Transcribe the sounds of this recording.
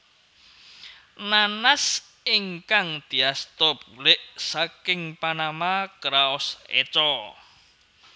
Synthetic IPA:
nanas | iŋkaŋd̪̥i̤ast̪ɔb̥ulɪʔsakɪŋpanamakɾaɔsḛt͡ʃɔ

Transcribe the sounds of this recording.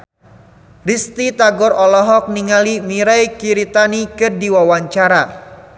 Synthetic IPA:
rist̪it̪aɡɔɾɔlɔɦɔk̚niŋalimiɾajkiɾit̪anikɨrdiwawaɲt͡ʃaɾa

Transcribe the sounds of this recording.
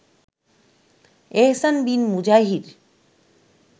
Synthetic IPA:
eɦsanbinmud͡ʑaɦiɾ

